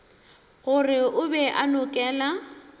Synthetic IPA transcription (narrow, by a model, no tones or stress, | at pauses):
ɣʊrɪʊbɛʔanʊkʼɛːla